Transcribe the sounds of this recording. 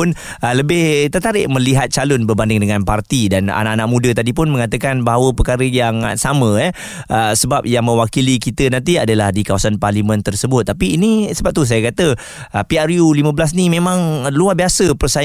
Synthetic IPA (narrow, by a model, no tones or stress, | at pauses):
ʊn | ələbɪht̪ət̪aɾɪʔmə̃liɦat̪̚t͡ʃalʊnbərbandɪŋdəŋanpart̪idana̰naʔanaʔ̚mũdət̪adip̬ʊnmə̃ŋat̪əkanbaɦawəpəkaɾəjaŋ̰samə̃jɛ | əsəbap̚jaŋmə̃wakilikit̪ənãnt̪̬iadalahdikawasanparlimə̃nt̪ərsəbʊt̪̚ːapiːnisəbap̚t̪us̬ajakat̪ə | əpiaɾjulimə̃bəlas̬nimẽmãŋluahbiasəpərsa